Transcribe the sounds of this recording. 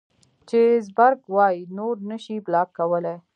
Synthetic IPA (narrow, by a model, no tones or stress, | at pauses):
t͡ʃezbaɾɡwɑjinoɾnəʃiblɑkːawəle